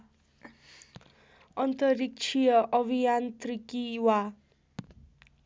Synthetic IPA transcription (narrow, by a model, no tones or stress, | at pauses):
ʌnt̪ʌrik̚t͡ʃʰijʌʔʌbʱijant̪rikiwa